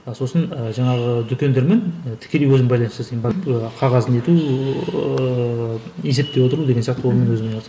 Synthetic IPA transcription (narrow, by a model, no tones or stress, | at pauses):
əso̞sənəʒɑɴɑʁəd̪ʏkʲʰe̞nd̪e̞ɾme̞nt̪ʰɪ̥kʲʰːe̞lejwɵzɪmbɑjlˠɑnsəzejnbɑɾəqʰɑʁɑzəne̞t̪u | je̞se̞p̚t̪e̞woəɾlud̪eɡensijɑq̚t̪əwlˠmenwɵzɪmenlˠs